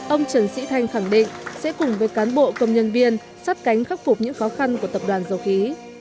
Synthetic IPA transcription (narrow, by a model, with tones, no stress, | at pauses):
ʔə˧wŋ͡mt͡ɕə˨˧˩nsḭ˧˥t̪ʰa˧jŋ̟xaː˧˩ŋɗḭ˧˨ŋ̟sɛ̰˧˥kʊ˨˩ŋ͡mvəː˨˦jkaː˨˦nɓo̰˧˨kə˧wŋ͡mɲə˧nvi˧ən | sa˦˥t̚ka˨˦jŋ̟xa˦˥k̚fʊ˨˩p̚ɲɨ̰˧˥ŋxɔ˨˦xa˧nku˩ət̪ə˨˩p̚ɗwaː˧˨˩nzə˨˧˩wxi˨˦